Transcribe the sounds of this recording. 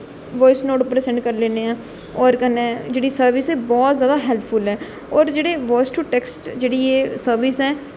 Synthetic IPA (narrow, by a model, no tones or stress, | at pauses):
ʋɔːɪsnoːʈpɾeːsɛ̃ɳʈkəɾleːneːãː | ɔːɾkənẽːd͡ʒeːɽiːsəɾʋɪsɛːbɔːt̪zjaːd̪aːɦɛːlpʰpʰʊlɛː | ɔːɾd͡ʒeːɽeːʋɔːɪsʈuʈɛːksʈd͡ʒeːɽiːeːsəɾʋɪsɛː